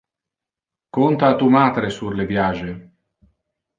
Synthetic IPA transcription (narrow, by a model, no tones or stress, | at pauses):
kont̪aːt̪umaːt̪ɾesurlevjaʒe